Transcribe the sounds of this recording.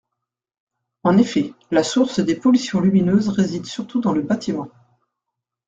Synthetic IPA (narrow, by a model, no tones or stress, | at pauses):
ɑ̃nefɛlasuʁsd̪epɔlysjɔ̃lyminøzʁezid̪syʁt̪ud̪ɑ̃ləbat̪ʰimɑ̃